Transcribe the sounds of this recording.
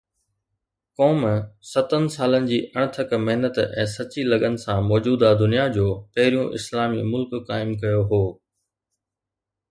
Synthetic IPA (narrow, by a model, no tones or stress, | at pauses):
kɔːmsɐt̪ənɪ̆saːlənɪ̆d͡ʑiːʔɐɽ̃̆t̪ʰɐkmɐɦnət̪ɛ̃ːsɐt͡ɕilɐɠənɪ̆sãmɔːd͡ʑuːd̪ad̪ʊnijad͡ʑoːpɐɦɪɾijũʔɪ̰slaːmimʊlkːaːɪmkɐjoɦoː